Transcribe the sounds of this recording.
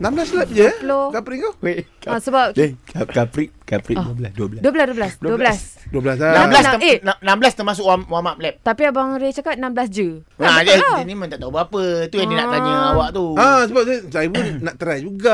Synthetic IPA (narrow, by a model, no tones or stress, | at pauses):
namblaslɛp̚d͡ʒəlokapɾiŋawekasəbap̚kakapɾiʔkapɾḭʔduəbəlasduəbəladuəbəlasduəblasdəbblasduəblasanamblasenanambəlast̪əmas̬ʊkʔwamwamap̚lɛp̚t̪apiabaŋɾet͡ʃakat̪̚nãmbəlasd͡ʒənad͡ʒad͡ʒinimə̃nt̪aʔt̪aubapət̪ujanninaʔt̪ad͡ʒuawaʔt̪uasəbap̚d͡ʒəsaibunnaʔt̪əɾajd͡ʒuɡa